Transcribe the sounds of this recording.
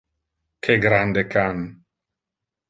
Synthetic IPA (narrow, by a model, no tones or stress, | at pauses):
kʰeɡɾand̪ekʰan